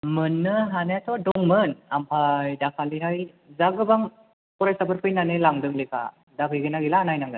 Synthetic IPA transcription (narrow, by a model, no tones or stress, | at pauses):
mɯnːɯɦanaatʰɔdɔŋmɯnampʰajdakʰaliɦaj | zaɡɯbaŋ | pɔɾajsabʰɯɾpʰɯjnanɯlaŋdɯŋlekʰa̰ | dakʰɯjɡɯnaɡilaːnajnaŋɡɯ